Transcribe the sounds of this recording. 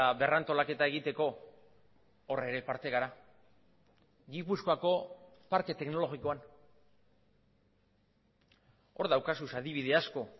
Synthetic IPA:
aβe̞rant̪o̞lake̞t̪ae̞ɣit̪e̞ko̞ | re̞ɾe̞paɾt̪e̞ɣaɾa | ɣipusko̞ako̞ | paɾke̞t̪e̞kno̞lo̞ɣiko̞an | o̞ɾðawkasusaðiβiðe̞asko̞

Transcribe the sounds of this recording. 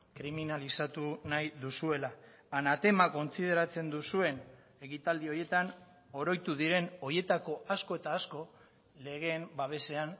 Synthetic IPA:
kɾiminalisat̪unajðusue̞laː | nat̪e̞mako̞nt͡sið̞e̞ɾat͡se̞nd̪usue̞n | e̞kit̪ald̪io̞ɾje̞t̪an | o̞ɾo̞jt̪uðiɾe̞no̞je̞t̪ako̞asko̞e̞t̪aːsko̞ | le̞ɣ̞e̞mbaβ̞e̞se̞an

